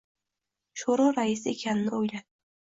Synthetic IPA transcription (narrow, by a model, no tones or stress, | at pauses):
ʃoɾɒɾaɪsɪekʲʰanɪnɪojlad̪